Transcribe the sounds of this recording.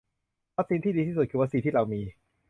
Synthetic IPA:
wa˦˥t̪̚siː˧nt̪ʰiː˥˩diː˧t̪ʰiː˥˩su˨˩kʰɯː˧wa˦˥tsiː˧t̪iː˥˩ɾa˧wmiː˧

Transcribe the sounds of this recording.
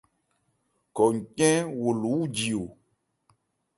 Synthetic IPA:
kɔ˨ŋ̩˨kɛ̃˦wo˨lu˨˦wu˦d͡ʒi˨o˨

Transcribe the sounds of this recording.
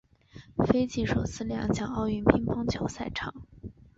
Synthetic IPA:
fe˥ɪt͡ɕi˥˩ʂo˨˩ʊt͡sʰɹ̩˥˧ljɑ˥˩ŋt͡ɕjɑ˥˩ŋɑ˥˧ʊy˥˩npʰi˥ŋpʰɑ˥ŋt͡ɕʰjo˧˥ʊsa˥˩ɪʈ͡ʂʰɑ˨˩˦ŋ

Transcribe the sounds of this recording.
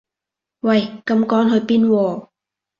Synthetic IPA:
wɐ˧˩jkɐ˨˧˥mkɔː˨˥nɦɵ˨˧jpiː˥nwɔː˧

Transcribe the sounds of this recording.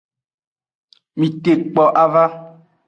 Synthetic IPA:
mĩ˨te˨k͡pɔ˨ʔa˦va˦

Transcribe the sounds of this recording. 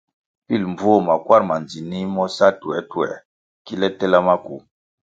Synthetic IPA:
pi˦lmb͡vo˦˨ma˨kwa˦ɾma˨nd͡zi˨ni˦mɔ˦sa˦tu˨ɛ˨˦tu˦ɛ̰˨ | ki˦lɛ˦tɛ˦la˦ma˦ku˨

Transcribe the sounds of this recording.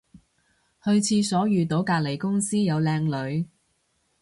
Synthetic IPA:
hɵ˧ɥt͡sʰiː˧sɔː˨˥jyː˨t̪o˨˥wkaː˧k̚le˨˩jkʊ˥ŋsiː˥jɐ˨˧wlɛː˧ŋlɵ˨˧ɥ

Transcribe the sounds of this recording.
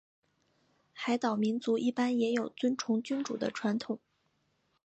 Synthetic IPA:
xa˧˥ɪt̪ɑ˨˩ʊmi˧˥nt͡su˧˥ʔi˥˩pa˥njɛ˧˥jo˨˩ʊt͡swə˥nʈ͡ʂʰʊ˧˥ŋt͡ɕy˥nʈ͡ʂṵ˨˩d̪ə̰˦ʈ͡ʂʰwa˧˥nt̪ʰʊ˨˩˦ŋ

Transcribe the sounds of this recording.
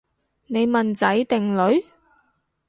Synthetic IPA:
ne˨˧jmɐ˨nt͡sɐ˨˥jt̪ɪ˨ŋlɵ˨˥ɥ

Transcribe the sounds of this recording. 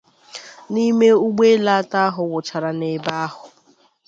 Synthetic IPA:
ni˦me˦u˦ɡ͡be˦la˦ta˦ɦʊ˨wʊ˨t͡ʃa˨ɾa˨ne˨ba˦a˦ɦʊ˨

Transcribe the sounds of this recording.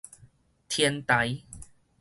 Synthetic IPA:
t̪ʰjɛ˧nt̪a˨˦j

